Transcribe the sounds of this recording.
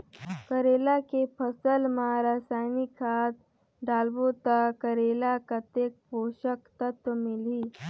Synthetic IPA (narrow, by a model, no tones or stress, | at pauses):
kəɾeːlakepʰəsəlmãɾaːsaːɪnikʰaːt̪̚ | ɖaːlbot̪akəɾeːlakat̪eːk̚poːʃəkt̪ət̪wəmɪliː